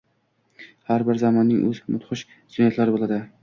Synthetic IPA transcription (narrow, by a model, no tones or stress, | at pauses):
haɾbɪɾzamɒnːɪŋʔɵzmʊt̪χʊʃ | sʊnjat̪laɾɪbolˠad̪ɪ